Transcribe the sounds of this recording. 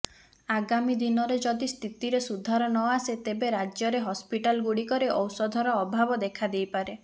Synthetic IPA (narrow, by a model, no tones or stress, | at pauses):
aɡamid̪inɔɾed͡ʒɔd̪ist̪ʰit̪iɾesud̪ʱaɾɔnɔaset̪ebeɾad͡ʒjɔɾeɦɔspiʈalɡuɽikɔɾeʔɔwsɔd̪ʱɔɾɔːbʱabɔd̪ekʰad̪ejpaɾe